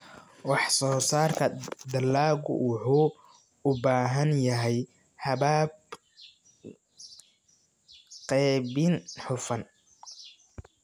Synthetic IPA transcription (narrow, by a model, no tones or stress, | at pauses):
wɑħsɔːsaːrkʰɐd̪ɐlːaːɣʊ̰wʊħuː | ʊbaːɦɐnjɐɦɛj | hɐβaːb | qɛːβɪnħʊfɐn